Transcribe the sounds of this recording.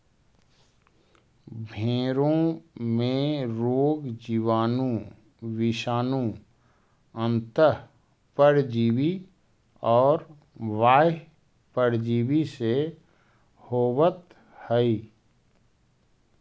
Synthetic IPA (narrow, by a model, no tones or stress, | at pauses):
bʱeːɾõmẽɾooːɡd͡ʒiʋaːnũ | ʋɪʃaːnũ | ə̃nt̪ə | pəɾd͡ʒiːʋi | ɔːɾ | ʋaː | pəɾd͡ʒiːwise | hoːwət̪ | həi